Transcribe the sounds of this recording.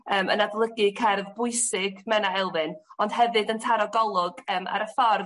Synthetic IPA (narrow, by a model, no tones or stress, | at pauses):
əːmə̰nadlˠəɡɨkʰɛrvbʊɨsɪɡmɛnaɛlˠvɨnɔnd̥hɛvɨdəntʰaɾɔɡɔlˠʊɡəːma̰ɾəfɔr